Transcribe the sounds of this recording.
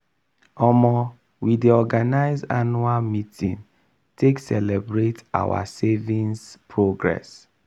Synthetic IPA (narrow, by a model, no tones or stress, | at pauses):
ɔmɔ | widiɔɡanaɪzanualmitʰĩn | tʰeksɛlɛbɹeta̰wa̰sevĩnspʰɹoɡɹɛ̰s